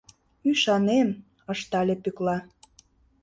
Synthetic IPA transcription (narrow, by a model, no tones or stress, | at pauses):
yʃɑnem | ə̆ʃt̪ɑlʲepyklɑ